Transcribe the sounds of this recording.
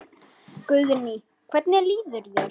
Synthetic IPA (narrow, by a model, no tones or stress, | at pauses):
kʏlðɪni | kʰvɛt̪̚nɪliːðʏɾjɛ